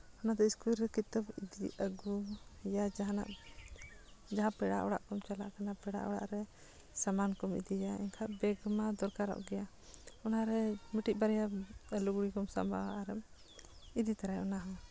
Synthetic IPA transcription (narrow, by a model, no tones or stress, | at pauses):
ɔnad̪ɔiskulɾɛkit̪abid̪iəɡujad͡ʒaɦana̰ʔ | d͡ʒaɦãpɛɽa̰ʔɔɽa̰ʔkɔmt͡ʃala̰ʔkanapɛɽa̰ʔɔɽa̰ʔɾɛ | samankɔmḭd̪ijaɛ̰ɲkʰaʔbɛɡmad̪ɔɾkaɾɔ̰ʔɡɛja | ɔnaɾɛmiʈiʔ̚ˀbaɾɛjaluɡɽikɔmsa̰mbʱa̰aaɾɛm | id̪it̪aɾajɔnaɦã